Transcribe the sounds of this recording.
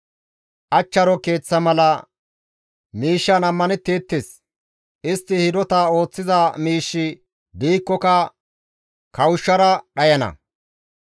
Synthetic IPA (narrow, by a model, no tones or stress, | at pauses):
ʔɐt͡ʃːɐɾɔke̞ːt͡sːɐmɐlɐ | miːʃːɐnɐmːɐnɛt̪ːeːt̪ːes | ʔɪst̪ːɪhɪd̪ɔt̪ɐo̞ːt͡sːɪzɐmiːʃːɪ | b̪iːkːɔkɐ | kɐwʊʃːɐɾɐɗɐjɐnɐ̰